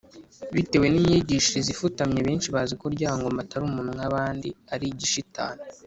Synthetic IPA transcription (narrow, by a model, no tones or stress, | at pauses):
βite̞we̞nimɲiɟiːʃiɾizifutamɲe̞βe̞ːnʃiβaːzikoɾɟaːβaŋɡo̞mataɾumuːnuŋaβaːndiaɾiɟiʃitʰa̰ːne